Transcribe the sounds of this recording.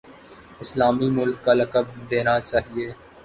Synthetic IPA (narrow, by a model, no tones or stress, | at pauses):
ɪslaːmimʊlkːalɐkəb̚d̪eːnat͡ʃaːɦieː